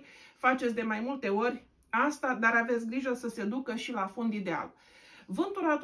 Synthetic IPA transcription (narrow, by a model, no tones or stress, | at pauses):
fat͡ʃet̪sʲd̪e̞majmult̪e̞o̞rʲ | ast̪ad̪aɾave̞t̪sʲɡɾiʒəsəse̞d̪ukəʃilafo̞nd̪id̪e̞a̰l | vɨnt̪uɾat̪